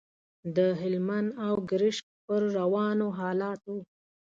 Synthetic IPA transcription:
d̪əɦɪlmanawɡɾɪʃk̚pəɾːawɑnoɦɑlɑt̪

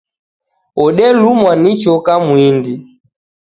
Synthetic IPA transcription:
ɔɗɛlumwanit͡ʃɔkamwindi

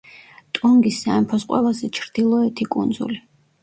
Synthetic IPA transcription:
t̪ʼuŋɡisːaɛmpʰɔsqʼwɛ̰lˠazɛt͡ʃʰɾd̪̥ilˠɔɛt̪ʰikʼṵnd̪zṵli

